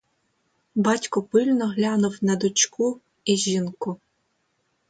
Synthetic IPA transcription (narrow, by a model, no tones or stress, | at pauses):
bɑtʲkʊpɪlʲnɔɦlʲɑnʊwnɐd̪ʊt͡ʃkʰu | iʒʲinkʊ